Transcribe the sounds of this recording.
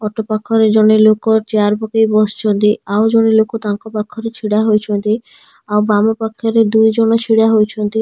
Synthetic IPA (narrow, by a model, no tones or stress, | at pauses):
ɔʈopakʰːɔɾed͡ʑonelokot͡ɕaɾbokejbɔst͡ʃʰont̪iawd͡ʑonelokot̪aŋkopakʰːɔɾet͡ɕʰiɽaɦojt͡ʃʰont̪i | awbamopakʰːoɾed̪ujd͡ʑɔnot͡ɕʰiɽaɦojt͡ɕʰont̪i